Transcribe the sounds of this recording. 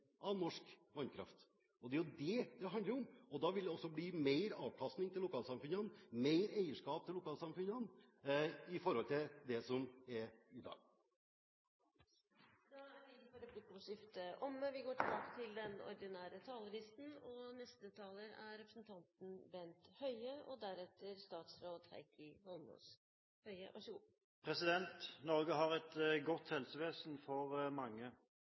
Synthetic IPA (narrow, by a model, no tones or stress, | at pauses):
ʔɑʋnɔʂkʋɑnkʰɾɑ̰ft̪ | ɔd̪ɛæɾjʊd̪ɛd̪ɛɦɑnd̪əɾɔmɔd̪ɑːʋɪld̪ɛɔsːɔbliːmeɪɾɑːʋkʰɑst̪nɪŋt̪ʰɪlːʊkʰɑːlsɑmfʉnənmeɪɾeɪəʂkɑːp̚t̪ʰɪlʊkʰɑːlsɑmfʉnən | ɪfɔɾhɔlt̪ʰɪld̪ɛsɔmɛɾɪd̪ɑ̰ːɡ | d̪ɑæʋɪnːfɔɾəpʰlɪkːʂɪft̪əʔɔməʋɪɡoːʈʰɪlbɑːkə̥t̪ʰɪld̪ɛnɔ̰ɾd̪ɪnæːɾət̪ʰɑːləɾɪst̪n̩ɔnɛst̪ət̪ʰɑːləɾæɾɾɛpɾəsnt̪ʰɑnt̪n̩bɛnt̪hœʏəʔɔd̪æɾɛt̪ːəɾst̪ɑːt̪sɾoːd̪hæ̰ɪkʰɪhɔlmo̰s | hœʏə̰ʋʔɑ̰ɾʂɡṵː | pʰʁɛsɪd̪ɛnt̪nɔʁɡəɦɑʁɛt̪ɡɔt̪hɛlsəʋeːsnfɔʁmɑŋːə